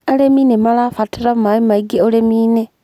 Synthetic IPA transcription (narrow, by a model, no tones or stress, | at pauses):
aleminemalafatʰiɾamaimaiɡeolemiːne